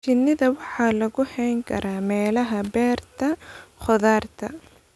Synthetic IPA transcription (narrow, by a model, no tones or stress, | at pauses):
t͡ʃɪnːɪðɐwɑħɑːlɐɣʊhɛjŋkʰɐ̰ɾʔaːmɛːlɐɦɐbɛːrt̪ʰɐχɔðaːrt̪ʰɐ̰